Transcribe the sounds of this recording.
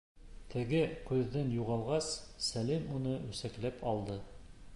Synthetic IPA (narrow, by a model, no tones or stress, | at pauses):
t̪ʰɘ̆ɡɘqʉðːɤnjuʁɑlˠʁɑsːælimunɤɵ̆sæklæpʰɒlˠd̪ɤ